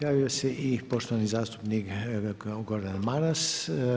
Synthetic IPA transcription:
jaːʋioseʔipoʃt̪oanizaːst̪u̥pnik | ɡoɾd̪anmaɾas

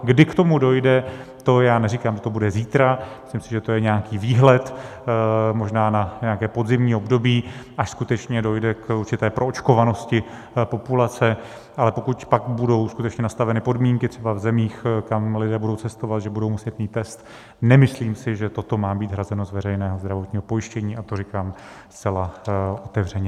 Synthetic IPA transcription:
ɡdɪkt̪o̞mudo̞jdɛt̪o̞jaːnɛɾikaːmʒɛt̪obudɛziːt̪ɾamɪsliːmsɪʒɛt̪o̞jɛɲɛakiːviːɦlɛt̪ | mo̞ʒnaːnaɲɛakɛːpo̞d̪zɪmɲiːo̞bdo̞biːʔaʃskut̪ɛt͡ʃɲɛdo̞jdɛkuɾt͡ʃɪt̪ɛːpɾʔo̞ot͡ʃko̞vano̞scɪ | po̞pulat͡sɛ | ʔalɛpo̞kucpakbudo̞wskut̪ɛt͡ʃɲɛnast̪avɛnɪpo̞dmiːŋkɪt̪r̥ɛbavzɛmiːxkamlɪdɛːbudo̞wt͡sɛst̪ovat̪ʒɛbudo̞wmusɛt̪niːt̪ɛst̪ | nɛmɪsliːmsɪʒɛt̪o̞t̪o̞maːbiːt̪ɦɾazɛno̞zvɛɾɛjnɛːɦo̞zd̪ɾavo̞t̪ɲiːɦo̞po̞jɪʃcɛɲiːat̪oɾɪkaːm | st͡sɛlao̞t̪ɛvr̝ɛɲɛ

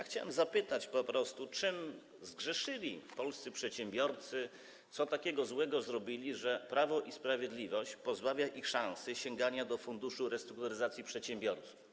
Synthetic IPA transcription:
jaxt͡ɕawɛ̰mzapɘt̪at͡ɕpɔpɾɔst̪ut͡ʂɘm | zɡʐɛʂɘlʲifpɔlst̪sɘpʂɛt̪ɕɛmbʲjɔɾt̪sɘ | t̪sɔt̪akʲɛɡɔzwɛɡɔzɾɔbʲilʲiʐɛpɾavɔʔispɾavʲjɛd̪lʲivɔɕt͡ɕpɔzbavʲjaʔixʂãw̃sɨɕɛŋɡaɲad̪ɔfund̪uʂuɾɛst̪ɾukt̪uɾɘzat̪sʲjipʂɛt̪ɕɛmbʲjɔɾt̪su̥f

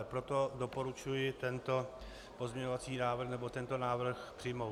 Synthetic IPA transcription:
pɾot̪odopo̞ɾut͡ʃujɪt̪ɛnt̪o | po̞zmɲɛɲovat͡siːnaːvr̩xnɛbo̞t̪ɛnt̪o̞naːvɾr̩xpr̝̥iːmow

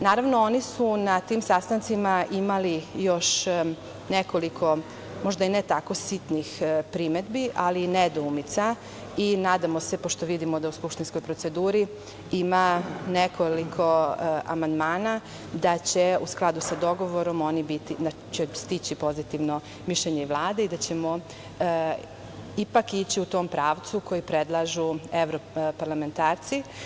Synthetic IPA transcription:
naːɾaʋnoonisunat̪iːmsast̪ant̪simaʔimalijo̞ʃ | neko̞likʰo̞ | mo̞ʒd̪ainet̪ako̞sit̪nixpɾime̞d̪biʔalined̪oumit̪sa | inaːd̪amo̞se̞poʃt̪o̞ʋid̪imod̪auskupʃt̪inskojpɾo̞t̪se̞d̪uːɾi | imanekolikʰo̞a̰mand̪maːna | d̪at͡ɕe̞usklˠad̪usad̪o̞ɡo̞ʋo̞ɾo̞mo̞nibit̪id̪a | t͡ɕest̪it͡ɕipo̞zit̪iʋno̞ | miʃʎeɲeiʋlˠaːd̪eid̪at͡ɕe̞mo̞ | ipakit͡ɕiut̪o̞ːmpɾaːʋt̪sukojipɾed̪lˠaʒueʋɾopaɾlˠame̞nt̪aːɾt̪si

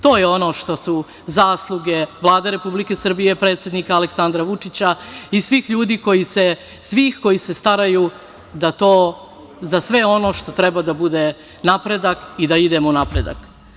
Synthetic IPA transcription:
t̪o̞ːjeo̞no̞ːʃt̪o̞su | zaːslˠuɡe̞ʋlˠaːd̪eɾe̞publike̞sr̩bijepɾe̞ːt̪sje̞d̪nikaːleksand̪ɾaʋut͡ʂit͡ɕaisʋiːxʎuːd̪iːko̞jise̞ | sʋiːxko̞jisest̪aɾaju | d̪at̪o̞ː | zasʋe̞o̞no̞ʃt̪o̞t̪ɾɛbad̪abud̪e̞ | napɾe̞d̪akid̪aid̪e̞mounapɾe̞d̪a̰k

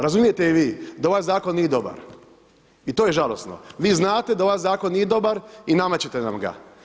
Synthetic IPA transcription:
ɾazumije̞t̪eiʋiːd̪ao̞ʋajzaːko̞nːije̞d̪o̞ba̰ɾ | it̪oːjeʒalˠo̞sno̞̰ʋiːznaːt̪e̞d̪ao̞ʋajzaːko̞nːije̞d̪o̞baɾinamat͡ɕet̪ena̰mɡa̰

